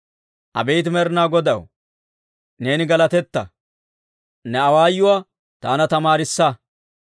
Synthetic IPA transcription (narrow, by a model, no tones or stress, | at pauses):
ʔɐ̰bɛjt̪ɪmɛɾnaːɡɔd̪ɐw | ne̞ːnɪɡɐlɐt̪ɛt̪ːɐ̰ | nɛɐwaːjːʊwaː | t̪aːnɐt̪ɐmaːɾɪsːɐ